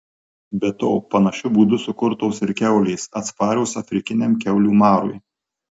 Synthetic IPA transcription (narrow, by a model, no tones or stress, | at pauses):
bʲɛt̪oːpɐnɐʃʲʊbuːd̪ʊsʊkʊɾt̪oʊsɪɾkʲɛʊlʲɛɪsɐt̪spɑːɾʲɛʊsɐfʲɾʲɪkʲɪnʲɛmkʲɛʊlʲuːmɑːɾṵj